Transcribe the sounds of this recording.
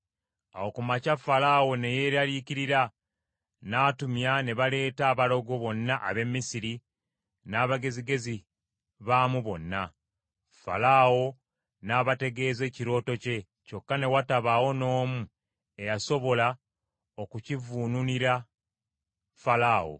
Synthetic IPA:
a̰wokumacafalawo̞ne̞je̞ɾaliciɾiɾa | naːtumjane̞βale̞ːtaːβalo̞ɡo̞βo̞nːaʔaβe̞mːisiɾi | naːβaɡe̞ziɡe̞zi | βaːmuβo̞nːa | fa̰lawo̞ | naːβate̞ɡe̞ːze̞ːciɾo̞ːto̞ce̞ | co̞kːane̞wataβawo̞no̞ːmu | e̞jaso̞βo̞la | okucivuːnuniɾa | falaːwo̞̰

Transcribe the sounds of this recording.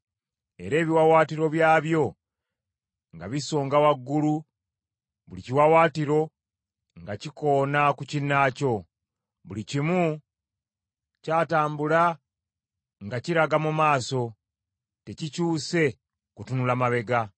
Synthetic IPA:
e̞̰ɾe̞ːβiwawaːtiɾo̞βjaːβjo̞ | ŋɡa̰βiso̞ːŋɡawaɡːulu | βuliciwawaːtiɾo̞ | ŋɡaciko̞ːnakucinːaːco̞ | βulicimu | caːtaːmbula | ŋɡaciɾaɡamumaːso̞ | te̞cicuːse̞ | kutunulamaβe̞ɡa

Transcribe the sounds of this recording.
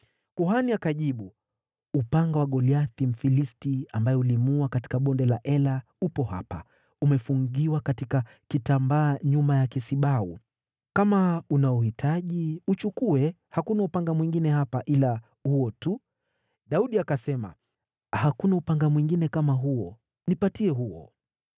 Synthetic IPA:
kuɦaniakaʄiɓu | upaŋɡawaɠɔliaθim̩filistiambajɛulimuakati̥kaɓɔndɛlaʔɛla | upɔha̰pa | umɛfuŋɡiwakatika | kitambaːɲumajakisiɓau | kamaunaɔhitʰaʄiut͡ʃukuɛ | hakunaupaŋɡamwiŋɡinɛhapaʔila | huɔtu | ɗauɗiakasɛma̰ | hakunaupaŋɡamwiŋɡinɛkamaɦuɔ | nipatiɛɦuɔ̰

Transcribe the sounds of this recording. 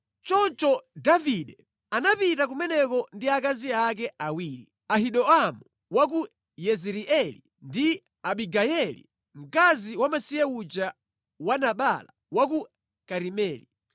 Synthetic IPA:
t͡ʃɔnt͡ʃɔdaviɗɛ | anapitak̬umɛnɛkɔndiakaziak̬ɛʔawiːɾi | aɦiɗɔamu | wak̬u | jɛziɾiʔɛlḭ | ndi | aɓiɡajɛlḭ | m̩kaziwamasiɛut͡ʃa | wanaɓala̰ | wak̬u | kaɾimɛːli

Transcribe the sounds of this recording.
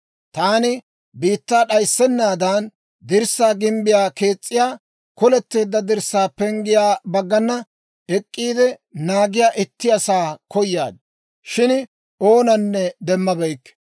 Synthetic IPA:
t̪aːnɪ | biːt̪ːaːɗɐjsːɛnːaːd̪ɐːn | d̪ɪɾsːaːɡɪmbɪjaːke̞ːt͡sʼːɪjaː | kɔlɛt̪ːe̞ːd̪ːɐd̪ɪɾsːaːpɛŋɡɪjaːbɐɡːɐnːɐ | ɛkʼːiːd̪ɛnaːɡɪjaːʔɪt̪ːɪɐsaːkɔjːa̰ːd̪̚ | ʃɪn | o̞ːnɐnːɛd̪ɛmːɐbɛjkː

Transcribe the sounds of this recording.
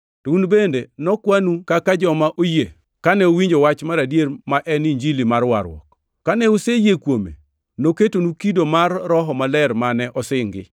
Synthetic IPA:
tounbendenɔkwanukakad͡ʒɔmaʔoje | kanɛowiɲd͡ʒowat͡ʃmaɾadjeɾmaʔɛniɲd͡ʒilimarwaɾwɔ̰k | kanɛusejekwomḛ | noketonukidomarːɔɦɔmalɛɾmanɛʔɔsɪŋɡɪ̰

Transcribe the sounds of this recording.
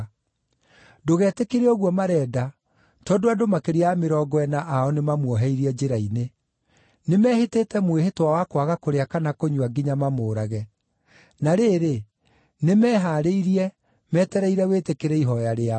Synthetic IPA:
doɣɛːtekeɾeɔɣwɔmaɾɛːda | tɔːdoadomakeɾiaameɾɔɡɔɛnaʔaɔnemamwɔɦɛiɾiɛd͡ʒeɾaine | nemɛheteːtɛmweɦetwawakwaɣakoɾeakanakoɲuaɡiɲamamoːɾaɣɛ | naɾeːɾe | nemɛːɦaɾeiɾiɛ | mɛtɛɾɛiɾɛwetekeɾɛiɦɔjaɾea

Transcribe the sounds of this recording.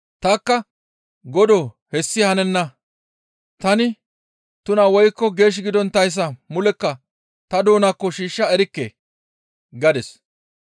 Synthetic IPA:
t̪ɐkːɐ | ɡɔd̪ɔ | hɛsːɪhɐnɛnːɐ | t̪ɐnɪ | t̪ʊnɐwɔjkːɔɡe̞ːʃ̬ɡɪd̪ɔnt̪ɐjs̬ːɐmʊlɛkːɐ | t̪ɐd̪oːnakːɔʃiːʃːɐɛɾɪkːḛː | ɡɐd̪ɛs

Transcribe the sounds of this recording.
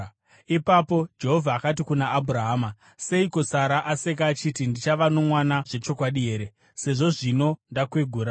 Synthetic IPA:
ipapo̞d͡ʒe̞ɦo̞vʱaːkat̬ikunaʔːbʱuɾaɦaːma | se̞ikosaɾaʔase̞k̬aːt͡ʃitindit͡ʃaʋano̞mwanaʐe̞t͡ʃo̞kwaɗiɦe̞ːɾe | se̞ʐo̞ʐino̞ndakweɡʱuːɾa

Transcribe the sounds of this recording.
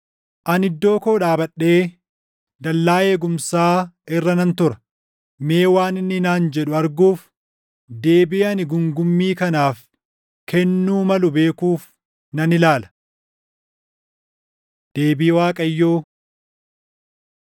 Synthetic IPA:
ʔɐnɪd̪ːo̞ːko̞ːᶑaːbɐɗːe̞ː | d̪ɐlːaːeːɡʊmsaːɪrːɐnɐnt̪ʊɾɐ̥ | meːwaːnɪnːɪnaːnd͡ʒɛᶑʊɐɾɡuːf | d̪e̞ːbiːɐnɪɡʊŋɡʊmːiːkɐnaːf | kʰɛnːuːmɐlʊbe̞ːkuːf | nɐnɪlaːlɐ̥ | d̪̥e̞ːbiːwaːkʼɐjːoː

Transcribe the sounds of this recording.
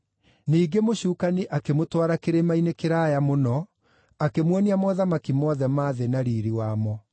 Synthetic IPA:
niːɡemoɕuːkaniʔakemotwaɾakeɾemainekeɾajamonɔ | akemwɔniamɔðamakimɔðɛmaːðenaɾiːɾiwaːmɔ

